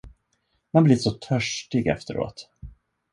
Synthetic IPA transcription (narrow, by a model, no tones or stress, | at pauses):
manblɪʂɔt̪ʰœʂʈɪɡɛ̰ft̪əɾo̰ːt̪